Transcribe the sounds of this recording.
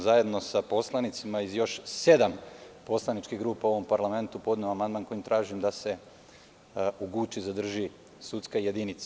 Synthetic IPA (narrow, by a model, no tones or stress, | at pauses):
zaje̞d̪no̞sapo̞slˠanit̪simaizjo̞ʃse̞d̪ampo̞slˠanit͡ʃkiɦɡɾuːpauo̞ʋo̞mpaɾlˠame̞nt̪upo̞d̪neoamand̪manko̞jimt̪ɾaːʒimd̪ase̞ | uɡuːt͡ʃizad̪r̩ʒi | sut̪skaje̞d̪init̪s